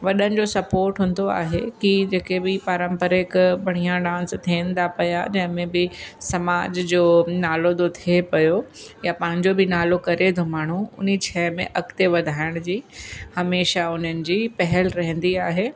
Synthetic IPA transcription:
ʋɐɗənɪ̆d͡ʑoːsɐpoːɾʈɦʊ̃n̆d̪oa̰ːɦekid͡ʑeːkebɪpaɾə̃mpəɾekbɐɽ̤̃ijãɖãːnst̪ʰiə̃nd̪apɐja̰d͡ʑɐ̃ɦɪ̃mẽbɪsɐmaːd͡ʑd͡ʑoːnaːlod̪ot̪ʰiepɐjojapɐ̃ɦɪ̃ɲd͡ʑobɪnaːlokɐɾet̪ʰomaːɳ̤̃uʊ̰n̤it͡ɕʰɛːmḛ̃ʔɐkt̪eʋɐd̪ʱaːɪɽ̃d͡ʑiːhɐmeːʃaʊn̤ənɪ̆d͡ʑiːpɐɦɛlɾɐɦə̃nd̪iaːɦeː

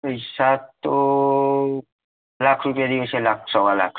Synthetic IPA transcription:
ejsat̪o | lakʰɾupijad̪iket͡ɕʰelak̚ʰsɔkala̰kʰ

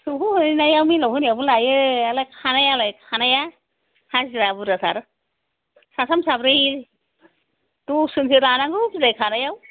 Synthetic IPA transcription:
suɦuhnajawmilɔɦɯnjabulajɯalakʰanajalajkʰanaja | haziɾabuɾasʰa̰ɾ | sasamsabɾɯj | tusɯnsʰɯɾanaŋɡɯpilajkʰanajaw

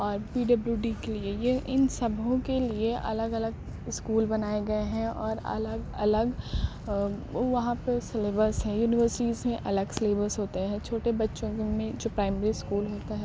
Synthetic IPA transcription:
ɔːɾpiːɖɐbljuɖiːkeliejeʔɪnsɐbʱõkelieʔɐ̰ləɡɐləɡ | ɪskuːlbɐnaːeɡɐeɦɛ̃ɔːɾɐ̰ləɡɐləɡ | ʋɐɦãpesɪleːbəɾsɦɛ̃juːnɪʋəɾsɪʈiːzmẽʔɐləɡsɪleːbəɾsɦoːt̪eɦɛ̃t͡ʃʰoːʈebɐtːʃõmẽd͡ʒoːpɾaːɪmeːɾiskuːlɦoːt̪aɦɛː

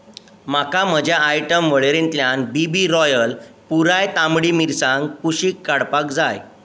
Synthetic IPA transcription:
makam̤əd͡ʑʱjaːjʈəmʋəɭeɾent̪ljanbibiɾɔjəlpuɾajt̪amɽiːmiɾsãŋk̚puɕiːkːaɽpakd͡zaj

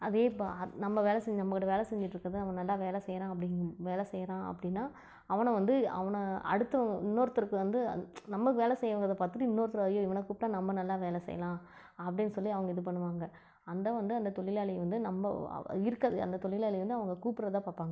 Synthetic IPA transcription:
ɐðeːɪpːo̰ɐnɐmːɐʋeːlɛsɛɲd͡ʒnɐmːɐkːɪʈːɐʋeːlɐsɛɲd͡ʒɪʈːɾɯkːɾɐðɯnɐʋɐnɐlːaːʋeːlɛsɛjɐɾãːɐp̬ːɐɽɪŋʋeːlɛsɛjɐɾãːɐ̰pːɐɽɪnːaː | ɐʋɐnɐʋɐnd̪ɯɐ̰ʋɐnɐɐ̰ɽɯt̪ːɐʋɐŋɡɐɪnːoːɾɐt̪ːɯɾɯkːɯʋɐnd̪ɯ̰nɐmːɐkːʋeːlɛsɛjːɐʋaːɡɐðɐpaːt̪ːɯʈɯɪnːoːɾt̪ːɾɐːðɯjoːɪʋɐnɐkuːp̚ʈːãːnɐmːɐnɐlːaːʋeːlɛsɛ̰jːɐ̰lãː | ɐpːɐɽɪnːɯsɔlːiɐʋɐŋɡɐɪðɯp̬ɐɳːɯʋaːŋɡɐ | ɐnd̪ɐʋɐnd̪ɯɐnd̪ɐt̪ɔɭɪlaːɭɪjʋɐnd̪ɯnɐmːɐ̰ɪɾɯkːɐðɯɐ̰nd̪ɐt̪ɔɭɪlaːlɪʋɐnd̪ɯɐʋɐŋɡɐkuːpɪɾɐt̪ːãːpaːɾpaːŋɡɐ

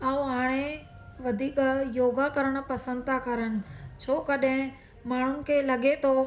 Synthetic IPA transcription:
aːuɦaːɽ̃e | ʋɐd̪ʱiːkjoːɡakɐɾəɽ̃ʊ̆pɐsə̃nd̪̚t̪ʰakɐɾənɪ̆t͡ɕʰoːkɐɗɦɪ̃ | maːɳ̤ʊnɪ̆kʰeːlɐɠet̪ʰo

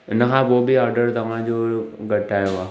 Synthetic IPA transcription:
nɐɦãʋobʱiɔːɾɖəɾd̪ɐmãd͡ʒoːɡɐʈaːeoaː

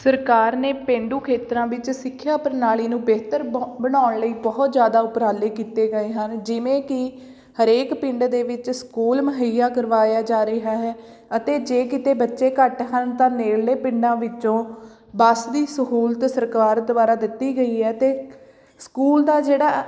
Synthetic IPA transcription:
səɾkaːɾneːpẽːɳɖ̪uːkʰeːt̪ɾãːʋɪt͡ʃsɪkʰːjaːpəɾnaːliːnũːbeːt̪əɾbəɽ̃aːɳləiːbɔːt̪d͡ʒjaːd̪aːʊpɾaːleːkiːt̪eːɡəeːɦənd͡ʒɪʋẽːkɪ | həɾeːkpɪ̃ɳɖd̪eːʋɪt͡ʃskuːlməɦəjjaːkəɾʋaːjaːd͡ʒaːɾəiɦaːɦɛː | ət̪eːd͡ʒeːkɪt̪eːbətːʃeːkəʈɦənt̪ãːneːlleːpɪɳɖãːʋɪt͡ʃõː | bəsd̪iːsəɦuːlt̪səɾkaːɾd̪ʊbaːɾaːd̪ɪt̪ːiːɡəiːɦɛːt̪eː | skuːld̪aːd͡ʒeːɽaː

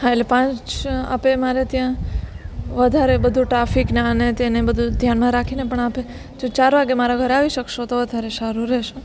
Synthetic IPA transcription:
ɦãetlepãt͡ʃa̰pemaɾet̪jã | ʋəd̪ʱaɾebəd̪ʱũʈɾafiknaənet̪enebəd̪ʱud̪ʱjanmãɾakʰinepəɳape | d͡ʒõt͡ʃaɾʋaɡemaɾaɡʱəɾaʋiʃəkʃot̪oʋəd̪ʱaɾeʃaɾuɾeʃe

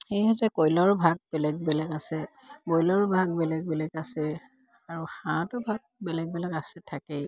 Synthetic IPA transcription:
xejhɛtɛkɔjlɔɹbʱaɡ̚bɛlɛɡ̚bɛlɛkasɛ | bɔjlɔɹbʱaɡ̚bɛlɛɡ̚bɛlɛkasɛ | aɹuxãtʊbʱaɡ̚bɛlɛɡ̚bɛlɛkasɛtʰakɛ

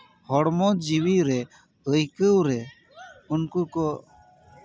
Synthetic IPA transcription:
hɔɽmɔd͡ʒiwiɾɛ | d̪əjkəwɾɛ | unkukɔ

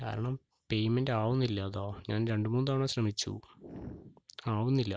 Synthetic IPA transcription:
ka̰ːɾɐɳɐm | pe̞jmendaːʋunːilːɐːðo̞ːɲaːnɾe̞ɳɖumuːnðaːɳɐɕrɐmit͡ɕːṵ | aːʋunːilːɐ

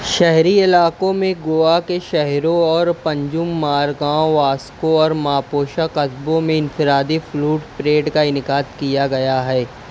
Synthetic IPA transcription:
ʃɛɦɾiɪlaːkõmẽɡoːakeʃɛɦɾõɔːɾpɐ̃ɲd͡ʒʊmːaːɾɡãːʋaːskõɔːɾmaːpoːʃakɐzbõmẽɪnfɪɾaːd̪ifʰluːʈpɾeːɖkaɪnɪkaːt̪kijaɡɐjaɦɛː

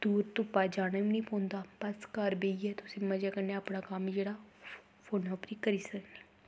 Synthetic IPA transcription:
d̪̥uːɾt̪ʊpːaːd͡ʒaːnaːĩnĩːpʰõːnd̪aːbəskəɾbeːiɛt̪ʊsẽːməd͡ʒaːkəɾneəpɽaːkaːmd͡ʒeːɽaː | pʰoːnɔːpɾiːkəɾiːsəkne

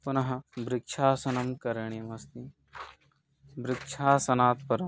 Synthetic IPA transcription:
punɐɦɐ̆bɾɪkʃʰaːsɐnɐmkɐɾɐɳiɐmɐst̪i | bɾɪkʃʰaːsɐnaːt̪̚pɐɾɐm

